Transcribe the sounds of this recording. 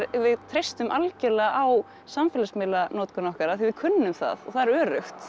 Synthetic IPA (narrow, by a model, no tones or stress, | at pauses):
ɾvɪðt̪ʰɾejst̪ʏmʔalcɛɾlɛːɣaʔaw | samfɛːlasmɪːlanɔːt̪kʏnɔhkaɾaθivɪðkʰʏnːɪʏmθa̰ðɔθaðɪɾœːɾʏ̰xt̪